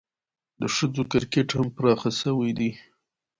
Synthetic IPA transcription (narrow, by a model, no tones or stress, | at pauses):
d̪əʂəzokɪɾkeʈhampɾɑxasəwijd̪i